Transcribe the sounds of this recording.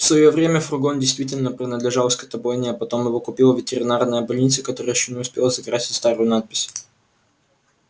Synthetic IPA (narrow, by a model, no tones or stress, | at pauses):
fsvɐjovɾʲemʲəfrʊɡondʲɪjst̪vʲitʲɪlʲnəpɾʲɪnəd̪lʲɪʐalˠskɐt̪ɐbojnʲɪɐpɐt̪o̞mjɪvokʊpʲilˠəvʲɪtʲɪɾʲɪnarnəjəbɐlʲnʲit̪səkɐt̪o̞ɾəjəjɪɕːonʲɪʊspʲe̞lˠəzɐkɾasʲɪ̥tʲst̪aɾʊjʊnat̪̚pʲɪsʲ